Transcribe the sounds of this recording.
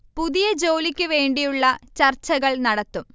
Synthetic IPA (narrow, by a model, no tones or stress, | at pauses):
puðijɐd͡ʑoːlikʲːɨʋe̞ːɳɖijuɭːɐt͡ɕɐrt͡ɕːɐɣɐɭnɐɽɐt̪ːum